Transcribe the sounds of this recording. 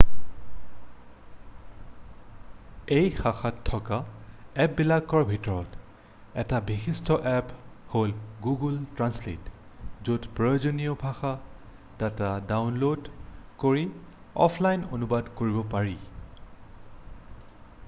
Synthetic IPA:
ejxaxatʰːɔkaɛp̚bilaɡɔɹbʱitɔɹɔt | ɛ̰tabixistʰɔʔɛpholɡuɡultɹanslḛtzudpɹɔjozonijɔbʱaxa | tatadawnlodkoɹi | ɔ̰pʰlajnonubadkoɹibɔpaɹi

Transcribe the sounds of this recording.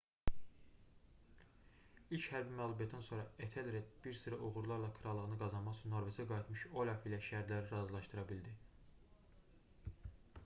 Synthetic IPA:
ilchæɾbimælˠubijɑt̪ːænso̞ɾɑet̪ʰelɾed̪̚b̥iɾsɯɾɑʔuɣuɾlˠɑɾlˠɑkʰɯɾɑlˠɯʁɯnɯɡɑzɑnmɑʁt͡ʃʰɯnːoɾvesæɡɑit̪ʰmɯʃolʲɑfilæʃæɾd̪læɾiɾɑːzilˠɑʃt̪ɯɾɑbild̪i

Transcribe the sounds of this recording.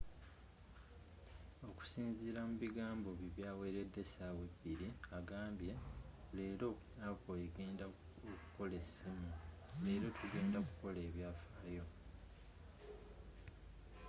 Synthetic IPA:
o̞ku̥siːnziːɾamuβiɡaːmbo̞βiβjaːweːɾedːe̞sawe̞biɾiaɡaːmbje̞le̞ːɾo̞ | aβoeɡe̞ːnda | oku̥ko̞le̞simuleːɾo̞tʰuɡe̞ːndakuko̞le̞ːβjaːfaːjo̞

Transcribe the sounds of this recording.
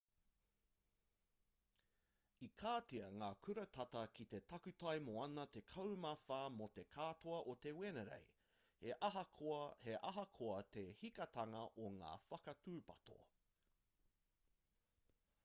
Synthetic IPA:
ikʰaːtiɐŋaːkʰʉɾɐt̪ʰɐtɐkʰit̪e̞tɐkʉt̪ɐjmoɐnɐt̪e̞kʰɐwmɐfaːmot̪e̞kʰaːt̪oɐʔot̪e̞wenɐɾḛj | h | heʔɐɦɐkʰoɐt̪e̞hikɐt̪ɐŋɐʔoŋa̰ːfɐkɐtʉːpɐto̰

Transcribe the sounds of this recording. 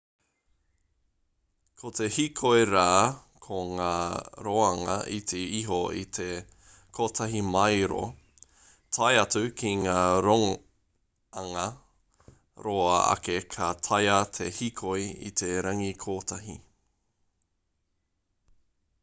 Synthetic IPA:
kʰot̪e̞hikʰoeɾaːkʰoŋaːɾoːɐŋɐ̰ʔit̪ʰeiɦoit̪ʰe | kʰoːt̪ʰɐɦimɐjɾo̰ | t̪ʰɐjɐt͡sʉkʰiŋaːɾo | ɐŋɐ | ɾoːɐɐ̰kekʰɐt̪ʰɐjɐt̪ʰehikʰojḭt̪ʰeɾɐŋikʰoːt̪ʰɐɦi

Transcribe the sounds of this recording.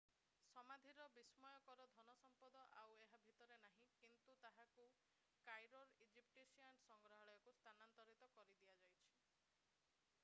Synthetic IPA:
sɔmad̪ʱiɾɔbismɔjɔkɔɾɔd̪ʱɔnɔsɔmpɔd̪ɔʔaweɦabʱit̪ɔɾenaɦĩkint̪ut̪aɦaku | kajɾoɾid͡ʒipʈisiansɔŋɡɾɔɦɔɭɔjɔkust̪ʰanant̪ɔɾit̪ɔkɔɾid̪iad͡ʒajt͡ʃʰi̥

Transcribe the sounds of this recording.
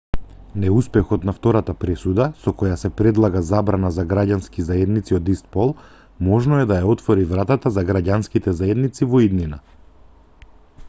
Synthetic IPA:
nɛuspɛxɔt̪naft̪ɔɾat̪apɾɛsud̪asɔkɔjasɛpɾɛd̪lˠaɡazabɾanazaɡɾaɟanskizaɛd̪nit̪siɔd̪ist̪̚pɔlˠ | mɔʒnɔɛd̪ajaɔt̪fɔɾivɾat̪at̪azaɡɾaɟanskit̪ɛzaɛd̪nit̪sivɔid̪nina

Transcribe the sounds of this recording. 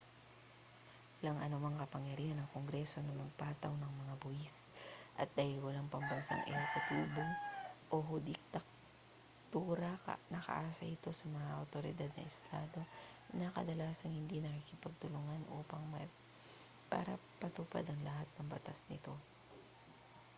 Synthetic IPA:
wɐlaŋʔɐnomaŋkɐpɐŋjɐɾiːhɐnɐŋkoŋɡɾɛso̞nɐmɐɡ̚paːt̪ɐwnɐŋmɐŋabʊʔisʔɐ̰t̪̚d̪aːhɪlwɐlaŋpɐmbɐnsa̰ŋʔɪ̰ɐlkʊt̪uːboŋʔoɦʊd̪ɪk̚t̪ɐk̚ | t̪uːɾɐ̰nɐkɐ̰ʔaːsɐ̰ʔɪt̪o̞sɐmɐŋaʔɐwt̪o̞ɾɪd̪ad̪̚nɐ̰ʔɛst̪ʰaːd̪o̞ | nɐkɐ̰d̪ɐlaːsɐŋhɪnd̪inɐkikɪpɐɡ̚t̪ʊlʊŋanʔoːpɐŋmɐ | pa̰ːɾɐ̰pɐt̪ʊpa̰d̪ɐŋlɐhat̪̚nɐŋbɐt̪asnɪ̰t̪o̞

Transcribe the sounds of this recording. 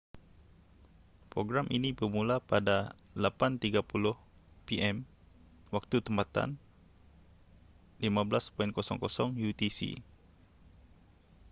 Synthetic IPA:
pɾoɡɾamʔinibərmulapadalapant̪iɡapulʊhpiʔɛm | wak̚t̪ut̪əmpat̪a̰n | limabəlaspɔɪnkɔsɔŋkɔsɔŋjut̪isḭ

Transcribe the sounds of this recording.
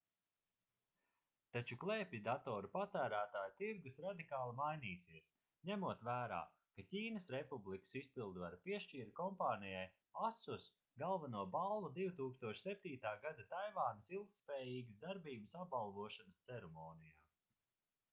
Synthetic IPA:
t̪at͡ʃuklˠepʲid̪at̪ɔːɾupat̪æːɾæːt̪aːjut̪iɾɡusɾad̪ikaːlˠimajniːsiɛəs | ɲʲæmuɔt̪væːɾa̰ː | kacʲiːnɐsɾepublikə̥sispilˠd̪vaɾpiɛʃt͡ʃiːɾkɔmpaːnijaj | asus | ɡalˠvanuɔbalˠːud̪iwt̪uːkst̪uɔʃsɛp̚ʲt̪iːt̪aːɡad̪at̪ajvaːnɐsilˠk̚t̪spɛːjiːɡəsd̪aɾbiːbəsap̚balˠvuɔʃanəst̪sɛɾɛmɔːnijaː

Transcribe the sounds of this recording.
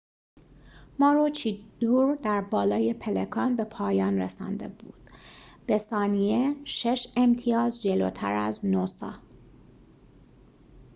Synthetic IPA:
mɒːɾot͡ʃʰid̪̥uːɾd̪æɾbɒːlɒːjepʰelekʰɒːnbe̞pʰɒːjɒːnɾḛsɒ̰nd̪e̞̰buːd̪̥b̥esɒːnijeʃe̞ʃemt̪ʰijɒːzd͡ʒelo̰ːt̪ʰæ̰ɾæ̰znosɒ̰ː

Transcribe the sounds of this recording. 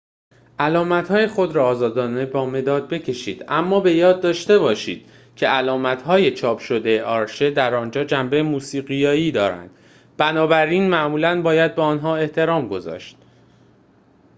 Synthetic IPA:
ʔælɒːmæt̪hɒːjexo̞d̪ɾɒːzɒːd̪ɒːne̞bɒːme̞d̪ɒːd̪̚be̞cʰe̞ʃḭːd̪ʔæmːɒːbe̞jɒːd̪̚ːɒːʃt̪e̞βɒːʃiːd̪̥̚ | cʰe̞ʔælɒːmæt̪ʰhɒːje̞t͡ʃʰɒːpʰʃo̞d̪e̞jeʔɒːɾʃe̞d̪æɾɒːnd͡ʒɒːd͡ʒæmbe̞jemuːsiːɣijɒːiːd̪ɒːɾæ̰nd̪̥ | b̥ænɒːbæɾiːnmæʔmuːlænbɒːjæd̪̚beɒːnɦɒːe̞ht̪ʰe̞ɾɒːmɡo̞zɒ̰ːʃt̪̚

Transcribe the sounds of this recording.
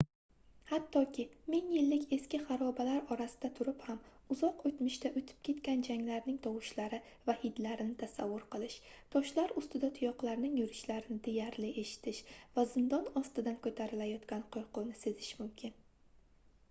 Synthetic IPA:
hat̪ʰːɒkʲʰɪmɪŋjɪlːɪkʲʰe̞skʲɪχaɾɒbalaɾɒɾasɪd̪̥at̪ʰʊɾɪphamʊzɒqot̪mɪʃt̪aʔɵt̪ʰɪ̥p̚kʲʰe̞t̪kʲand͡ʒaŋlaɾnɪŋt̪ʰɒwɪʃlaɾɪ | vahɪd̪laɾɪnɪt̪ʰasavːʊɾqɨlˠɪʃt̪ʰɒʃlaɾʊst̪ɪd̪at̪ʰʊjɒqlˠaɾnɪŋjʊɾɪʃlaɾɪnɪd̪ejaɾlɪʔe̞ʃɪ̥t̪ʰɪʃvazɪnd̪ɒnɒst̪ɪd̪ankʰɵt̪ʰaɾɪlajɒt̪kʲanqʰoɾqʰʊwnɪse̞zɪʃmʊmkʲʰɪn

